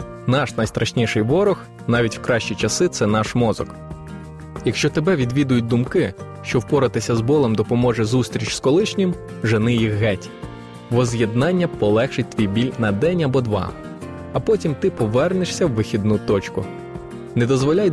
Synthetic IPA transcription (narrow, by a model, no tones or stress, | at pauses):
nɑʃnɐjst̪ɾʔɐʃnʲiʃɪjʋɔɾɔx | nɑʋʲitʲwkɾɑʃt͡ʃit͡ʃɐsɪt̪sɛnɑʃmɔzɔ̰k | jɐkʃt͡ʃɔt̪ebɛʋʲid̪ʋʲid̪ʊjʊt̚ʲd̪ʊmkɪ | ʃt͡ʃɔwpɔɾɐt̪ɪsʲɐzbɔlˠemd̪ɔpɔmɔʒɛzust̪ʲɾʲit͡ʃskɔlˠɪʃnʲɪm | ʒenɪjixɦɛtʲ | ʋɔzjed̪nɑnʲːɐpɔlˠɛxʃɪt̚ʲt̪ʲʋʲijbʲilʲnɐd̪ɛnʲɐbɔd̪ʋɑ̰ | ɐpɔtʲimt̪ɪpɔʋɛrnɪʃsʲɐwːɪxʲid̪nut̪ɔt͡ʃkʊ | nɛd̪ɔzʋɔlʲaj